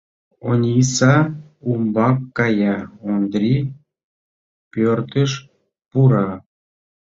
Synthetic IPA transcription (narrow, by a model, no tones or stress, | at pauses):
onʲisɑ | umbɑkːɑjɑond̪ɾʲi | pʲørt̪əʃ | puɾɑ